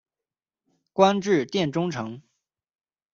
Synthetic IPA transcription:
kwa˥nʈ͡ʂɻ̩˥˧t̪jɛ˥˩nʈ͡ʂʊ˥ŋʈ͡ʂʰɤ˧˥ŋ

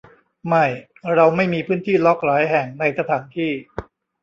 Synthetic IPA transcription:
ma˥˩j | ɾa˧wma˥˩jmiː˧pʰɯː˦˥˩nt̪ʰiː˥˩lɔ˦˥k̚ɾɔː˩˦jɦɛ˨˩ŋna˧jsa˧t̪ʰaː˩˦nt̪ʰiː˥˩

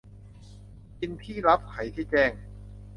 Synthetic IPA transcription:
ki˧nt̪ʰiː˥˩ɾa˦˥p̚kʰa˩˦jt̪ʰiː˥˩t͡ɕɛː˥˩ŋ

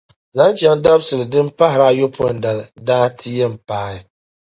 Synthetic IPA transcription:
za˨˦n˦t͡ʃa˨n˦da˦bsɨ˨ldɨ˦m̩˦pa˦hɾa˦jo˦pʰo˦˨n̩˨da˨ldaː˦tʰi˦je˦m̩˨paː˦jɪ˦

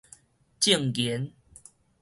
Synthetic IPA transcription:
t͡ɕi˥˨ŋkjɛ˨˦n

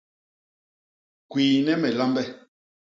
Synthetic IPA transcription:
kwiː˨nɛ˦mɛ˨la˦mbɛ˦

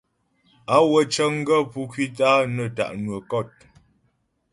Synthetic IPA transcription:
a˦wə˨t͡ʃə˦ŋ̩˦ɡə˦˨pu˦kɥwi˦ta˦nə˨ta̰˨ʔnwə˨kɔ˦˨t̚

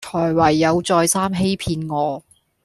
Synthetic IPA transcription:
t͡ʃʰɔː˨˩jwɐ˨˩jːɐ˨˧wt͡sɔː˧jsaː˥mɦe˥jpʰiː˧nŋɔː˨˧

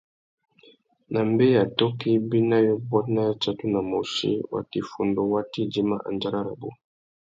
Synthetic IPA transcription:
na˨mbe˦ja˨tɔ˦ki˦bi˦na˦jɔ˦bɔ˦tna˦ja˦t͡ʃa˦tu˦na˨mo˨ʃḭ˦wa̰˨ti˨fu˨ndo˦wa˦ti˦d͡ʒi˦ma˦ʔa̰˨nd͡ʒa˦ɾa˦ɾa˨bo̰˦

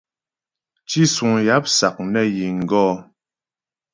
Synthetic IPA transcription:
t͡ʃi˦su˨ŋja˨˦p̚sa˨k̚nɛ˦ji˨ŋ̩˨ɡɔː˦

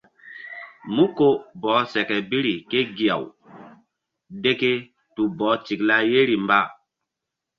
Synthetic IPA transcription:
mu˦ko˦bɔː˨˦sɛ˨kɛ˨bi˦ɾi˨ke˦ɡi˨a̰˨w | de˦ke˦ | tu˨bɔː˨˦ti˨kla˦je˦ɾi˨mba˦

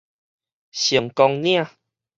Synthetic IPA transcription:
ɕi˨˩əŋkɔ˧ŋnj̃ã˥˧˨

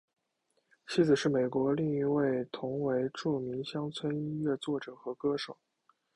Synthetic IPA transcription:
t͡ɕʰi˥d͡zɹ̩˨˩ʂɻ̩˥˩me˨˩ɪkwɔ˧˥li˥˩ŋi˧˥we˥˩ɪt̪ʰʊ˧˥ŋwe˧˥ɪʈ͡ʂu˥˩mi˧˥ŋɕjɑ˥ŋt͡sʰwə˥ni˥nɥɛ˥˧t͡swɔ˥˩ʈ͡ʂɤ˨˩xɤ˧˥kɤ˥ʂo˨˩˦

